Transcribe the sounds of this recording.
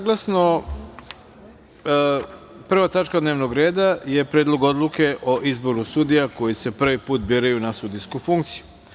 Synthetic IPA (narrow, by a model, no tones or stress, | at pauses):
saɡlˠasno̞ | pr̩ʋat̪at͡ʃkad̪neʋnoɡɾe̞ːd̪aje̞pɾeːd̪lˠo̞ɡo̞d̪lˠuke̞ʔoʔizbo̞ɾusud̪ijako̞jise̞pr̩ʋipuːt̪̚biːɾajunasud̪ijskufuŋkt̪siju